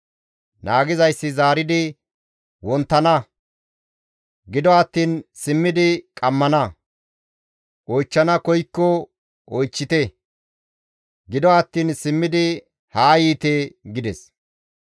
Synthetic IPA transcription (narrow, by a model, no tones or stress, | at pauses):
naːɡɪzɐjsːɪzaːɾɪd̪ɪ | wɔnt̪ːɐnɐ | ɡɪd̪ɔɐt̪ːiːnsɪmːɪd̪ɪkʼɐmːɐnɐ | ʔɔjt͡ʃːɐnɐkɔjkːɔ | ʔɔjt͡ʃːɪt̪ɛ | ɡɪd̪ɔɐt̪ːiːnsɪmːɪd̪ɪ | haːjiːt̪eɡɪd̪ɛs